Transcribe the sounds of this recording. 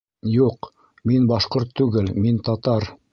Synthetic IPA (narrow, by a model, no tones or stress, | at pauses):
juq | minbɑʃqoɾt̪ʰːʉɡɘlmint̪ɑt̪ɑɾ